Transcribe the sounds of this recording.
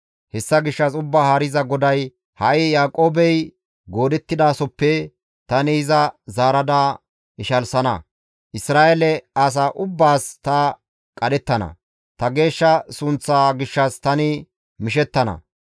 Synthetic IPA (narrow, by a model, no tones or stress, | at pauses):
hɛsːɐɡɪʃːɐsʊbːaːhaɾɪzɐɡɔd̪ɐj | hɐʔɪjaːkʼo̞ːbɛj | ɡo̞ːd̪ɛt̪ːɪd̪aːsɔpːɛ | t̪ɐnɪɪzɐzaːɾɐd̪aː | ɪʃɐlsɐnɐ̰ | ʔɪsɾaːʔelɛɐs̬aːʔʊbːaːst̪ɐ | kʼɐd̪ɛt̪ːɐnɐ̰ | t̪ɐɡe̞ːʃːɐsʊnt͡sːaːɡɪʃːɐst̪ɐnɪ | mɪʃ̬ɛt̪ːɐnɐ̰